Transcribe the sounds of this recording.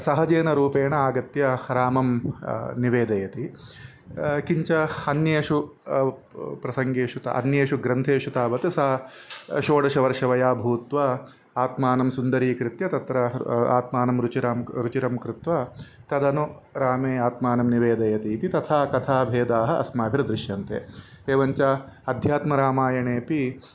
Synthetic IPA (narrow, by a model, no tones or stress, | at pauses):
sɐɦɐd͡ʒeːnɐɾuːpeːɳɐaːɡɐt̪jɐɾaːmɐmniʋeːd̪ɐjɐt̪i | kiɲt͡ʃɐɐnjeːʂu | pɾɐsɐŋɡeːʃut̪ɐ̰ɐ̰njeːʂuɡɾɐnt̪ʰeːʂut̪aːʋɐt̪usɐɦɐʃoːɽɐʃɐʋɐɾʂɐʋɐjaːbʱuːt̪ʋaː | aːt̪maːnɐmsund̪ɐɾiːkɾɪt̪jɐt̪ɐt̪ɾɐa̰ːt̪maːnɐmɾut͡ʃiɾɐmɾut͡ʃiɾɐmkɾɪt̪ʋɐt̪ɐd̪ɐnu | ɾaːmeːaːt̪maːnɐmniʋeːd̪ɐjɐt̪iːt̪it̪ɐt̪ʰaːkɐt̪ʰaːbʱeːd̪aːɦɐ̆ʔɐ̰smaːbʱiɾɐd̪ɾɪʃjɐːnt̪ḛː | eːʋɐɲt͡ʃɐɐd̪ʱjaːt̪mɐɾaːmaːjɐɳeːpi